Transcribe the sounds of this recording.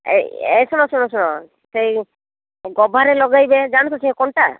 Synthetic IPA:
ḛḛsɔnɔsunɔsɔnɔ | sej | ɡɔbʱaɾelɔɡajbed͡ʒaɽ̃ũt̪ɔsikɔɳʈa̰

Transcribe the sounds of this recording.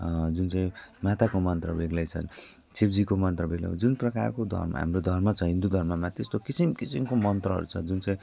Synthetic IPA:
d͡zunt͡sʌ̃ĩmat̪akomʌnt̪rʌ̰beɡlʌjt͡sʰʌ̰n | t͡sʰipd͡zikomʌnt̪rʌbeɡla̰d͡zunprʌka̰rkod̪ʱʌ̰rmʌ̰ɦa̰mrod̪ʱʌrmʌt͡sʰʌɦĩnd̪ud̪ʱʌrmʌmat̪est̪okisimkisimkomʌnt̪rʌɦʌ̰ɾut͡sʰʌ̰d͡zunt͡sʌ̃ĩ

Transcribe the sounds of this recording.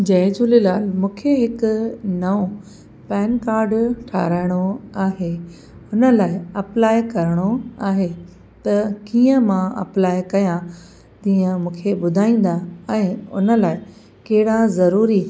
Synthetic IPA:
d͡ʑɐ̃ɪ̃d͡ʑuːlilaːlmũːkʰeɦɪkʊnɐʋõ | pɛːnkaːɾɖʈʰa̰ːɾaːɪɽ̃oaːɦe | ʊnə̆laːɪɐplaːikɐɾəɽ̃oaːɦe | t̪ɐkiːə̃mãɐ̰plaːikɐjã | t̪ĩːə̃mũːkʰebʊd̪ʱaːĩːn̆d̪aɛ̃ːʊ̰nə̆laːɪ | kɐɦɪɽazɐɾuːɾi

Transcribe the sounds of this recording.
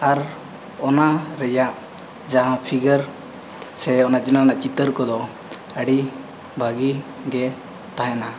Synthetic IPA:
aɾ | ɔnaɾɛd͡ʒaʔ | d͡ʒaɦãpʰiɡəɾ | sɛɔnat͡ʃinanaʔt͡ʃit̪əɾkɔd̪ɔ | əɽi | bʱaɡi | ɡɛ | t̪aɦɛna

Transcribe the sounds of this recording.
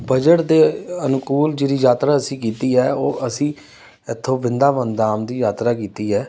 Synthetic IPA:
bəd͡ʒəʈd̪eːənʊkuːld͡ʒeɾiːjaːt̪ɾaːəsĩːkiːt̪iːɛːoːʔəsĩː | ɪt̪ʰːõːbɪnd̪aːʋənd̪aːmd̪iːjaːt̪ɾaːkiːt̪iːɦɛː

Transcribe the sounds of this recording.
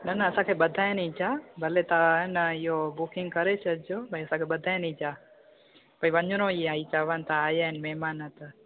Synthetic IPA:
nənəəsãkʰeɓəd̪ʱaenəit͡ʃʰabʱəlet̪anəijobukɪŋɡ̚kəɾet͡ʃʰːd͡ʒobʱaiəsãkʰeɓəd̪ʱaːjnid͡ʒa | b̥ʱaːiʋəɲd͡ʒnõiãit͡ʃaʋant̪aːjanmɛmaːnət̪

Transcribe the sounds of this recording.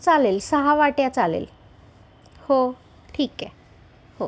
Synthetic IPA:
t͡ɕalelsaɦaʋaʈeat͡ɕalḛl | ho | ʈʰikːɛ | ho

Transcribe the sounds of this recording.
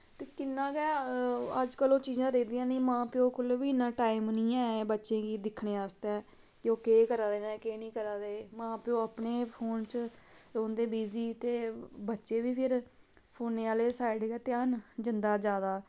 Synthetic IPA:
t̪eːkɪnːãːkɛːəd͡ʒkəlõːt͡ʃiːzãːɾeːd̪ĩːãːnĩːmãːpɪõːkʊlʋiːɪnãːʈaːimnĩːɛːbətːʃẽːɡiːd̪ɪkʰɳeːaːst̪ɛː | kɪoːkeːkəɾaːd̪eːnɛːkeːnĩːkəɾaːd̪eːmãːpɪõːapneːpʰoːnt͡ʃ | ɾoːnd̪eːbiːziːt̪eːbətːʃeːʋiːpʰɪɾ | pʰoːnːeːaːleːsaːɪɖɡɛːt̪eənd͡ʒənd̪aːd͡ʒjaːd̪aː

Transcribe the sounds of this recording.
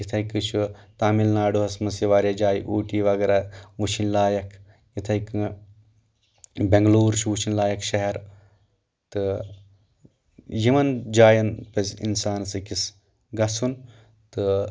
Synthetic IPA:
jit̪ʰɐjkɨt͡ʃʰut̪aːmilnaːɖuɦɐsmɐsiʋaːɾʲjɐd͡ʒaːjʔuːʈiːʋɐɡeɾaʋut͡ʃʰinlaːjɐkʰ | jit̪ʰɐjkɨ | beŋɡluːɾʃʰuʋuʃʰinlaːjɐkʃɐɦɐɾ | t̪ɨ | jimɐnd͡ʒaːjɐnpɐsḭnsaːnsɨkis | ɡɐsun | t̪ɨ

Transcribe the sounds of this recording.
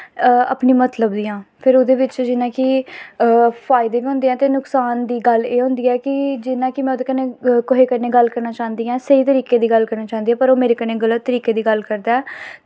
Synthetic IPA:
ə̰pniːmət̪ləbd̪iːãːpʰɪɾʊd̪eːʋɪt͡ʃd͡ʒɪnãːkɪ | pʰaːɪd̪eːʋiːɦʊ̃nd̪eːɛ̃ːt̪eːnʊksaːnd̪iːɡəleːɦʊ̃nd̪iːɛːkɪd͡ʒɪnãːkɪmɛ̃ːʊd̪eːkənẽːkoɦeːkəneːɡəlkəɾnaːt͡ʃãːnd̪iːɛ̃ːsəiːt̪əɾiːkeːd̪iːɡəlkəɾnaːt͡ʃãːnd̪iːɛːpəɾoːmeːɾeːkəneːɡələt̪ːəɾiːkeːd̪iːɡəlkəɾd̪aːɛː

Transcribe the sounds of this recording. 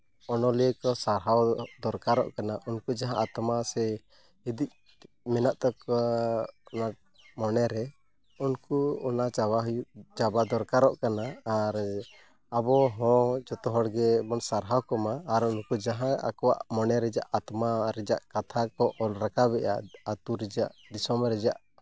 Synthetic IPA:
ɔnɔliəkɔsaɾɦawd̪ɔɾkaɾɔ̰ʔkanaʔunkud͡ʒaɦãʔat̪masɛ | id̪ic̚ | mɛnaʔt̪ɔk | ɔna | mɔnɛɾɛ | unkuɔnat͡ʃabaɦujuʔt͡ʃabad̪ɔɾkaɾɔʔkanaːɾ | abɔɦɔ̃t͡ʃɔt̪ɔɦɔɽɡɛbɔnsaɾɦawkɔmaːɾunkud͡ʒaɦãa̰kɔwaʔmɔnɛɾɛd͡ʒaʔat̪maɾɛd͡ʒaʔkat̪ʰakɔʔɔlɾakaβɛʔa̰ʔat̪uɾɛd͡ʒaʔd̪isɔmɾɛd͡ʒaʔ

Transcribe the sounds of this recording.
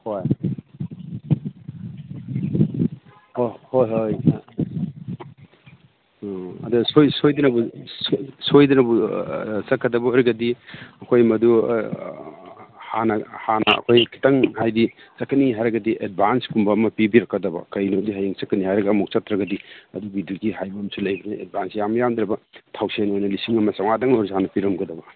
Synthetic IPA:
hoj | hohojɦoj | ɐ̰dusojsojdɐnɐbussojdɐnɐbusɐkʰːɐdɐbɐɔɾiɡɐdiɐkʰojmɐdu | hanɐhanɐɐ̰kʰojkʰi̥tɐŋhajdi | sɐkɐniɦajɾɐɡɐdiʔed̚bʱanskumbɐmɐpibiɾɐkːɐdɐbɐ̰kɐjnodiɦajiŋsɐkɐnihajɾɐɡɐːmuk̚t͡ʃɐt̪ɾɐɡɐdiɐdubiduɡihajbɐmsulɐjbɐniet̚bʱansjamɐjamd̪ɾɐbɐtʰawsenojnɐlisiŋɐmɐsawŋadɐŋoɾshanɐpiɾɐmɡɐdɐbɐ

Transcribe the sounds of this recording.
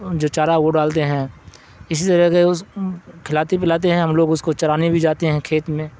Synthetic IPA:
d͡ʒoːt͡ʃaːɾaoːɖaːlt̪eɦɛ̃ː | ɪs̬it̪ɐɾɛɦkeʊskʰɪlaːt̪ipɪlaːt̪̬eɦɛ̃ɦɐmloːɡʊskot͡ʃɐɾaːnibʱid͡ʒaːt̪eɦɛ̃kʰeːt̪mẽː

